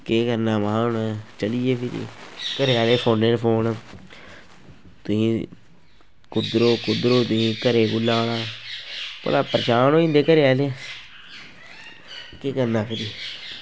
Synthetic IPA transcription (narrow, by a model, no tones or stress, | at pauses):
keːkəɾnaːmaːnaːt͡ʃəlieːpʰɪɾḭːkəɾeaːleːpʰoːneːɾpʰoːn | t̪ʊsĩː | kʊd̪ɾoːkʊd̪ɾoːt̪ʊsĩːkəɾeːkʊlːaːɽãː | po̰laːpəɾʃaːnoːĩnd̪eːkəɾeaːleː | keːkəɾnaːpʰɪɾi